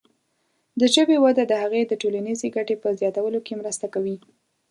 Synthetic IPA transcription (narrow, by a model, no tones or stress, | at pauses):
d̪əʒəbewad̪ad̪əhaɣed̪əʈolanizeɡaʈepəzjɑt̪awəlokemɾəst̪akawi